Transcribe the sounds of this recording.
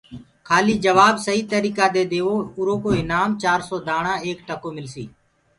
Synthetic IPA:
kʰaːliːd͡ʒəʋaːbsəɦiːt̪əɾiːkaːd̪eːd̪eːoːʊɾõːkoːɪnaːmt͡ʃaːɾsoːd̪aːɳãːeːkʈəkoːmɪlsiː

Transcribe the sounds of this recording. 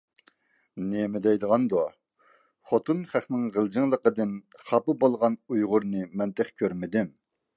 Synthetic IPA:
nemɪd̪ɛjd̪əʁɑnd̪o | χot̪unχæχnɪŋʁəld͡ʒiŋlˠəqəd̪ɨnχɑpɨbolˠʁɑnujʁʊɾnɨmɛnt̪ʰæχkʲʰøɾmɪd̪ym

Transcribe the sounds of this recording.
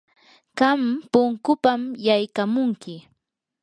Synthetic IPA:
ɢampʊŋkʊpamjajkamʊŋkɪ

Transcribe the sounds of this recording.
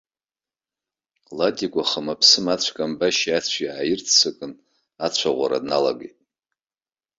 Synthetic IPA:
latʲʼikʷʼaχamapʰsɨmat͡ɕʷʰkʼambaʃiat͡ɕʷʰiʕajɪrtʰt͡sʰɨkʼɨn | at͡ɕʷʰaʁʷa̰ɾa̰dna̰la̰ɡḛjtʼ

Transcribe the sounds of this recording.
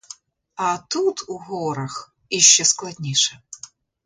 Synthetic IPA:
at̪ut̪ʰuɣɔɾɐx | ɪɕːɔsklˠɐdʲnʲejʂɛ

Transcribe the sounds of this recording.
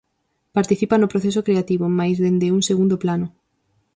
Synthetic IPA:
paɾt̪iθipanopɾoθesokɾeat̪iβomajzðend̪euŋseɣund̪oplanʊ

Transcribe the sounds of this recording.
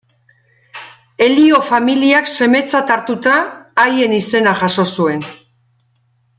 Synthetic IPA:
e̞lio̞familiakse̞me̞t͡sat̪aɾt̪ut̪aːje̞nise̞naʝaso̞sue̞n

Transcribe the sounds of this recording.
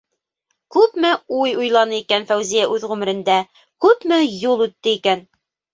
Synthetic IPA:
kʉpmɘujujlˠɑnɤikænfæwzijæʔʉðʁʉmɘ̆ɾɘ̆nd̪æ | kʉpmɘjulˠʉt̪ːɘikæn

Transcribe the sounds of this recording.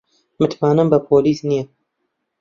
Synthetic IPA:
mɨt̪maːnɨmbəpʰoːliːsnijɛ

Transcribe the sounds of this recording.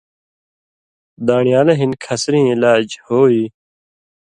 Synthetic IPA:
d̪aːɳijaːleɦinkʰɐsɾĩːɪlaːd͡ʑhoːiː

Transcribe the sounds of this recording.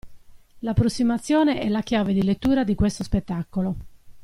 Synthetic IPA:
lapːɾosːimat̪sːjɔːneʔɛlak̟jaːved̪ilet̪ːuːɾad̪ikwest̪ospet̪ːakːolo

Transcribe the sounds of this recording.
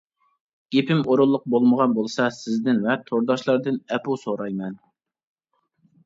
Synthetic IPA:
ɡ̥ʲepʰɪmoɾʊlˠːʊq̚bolˠməʁɑnbolˠsɑsɪzd̪ɪnvɛt̪ʰoɾd̪ɑʃlˠɑɾd̪ɨnɛpusoɾɑjmɛn

